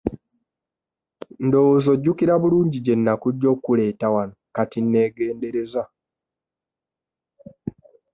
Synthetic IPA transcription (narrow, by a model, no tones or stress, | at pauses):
ndo̞wozo̞ɟːukiɾaβuluːɲɟiɟe̞nːakuɟːo̞ːkːule̞ːtawanokatinːe̞ːɡe̞ːnde̞ɾe̞za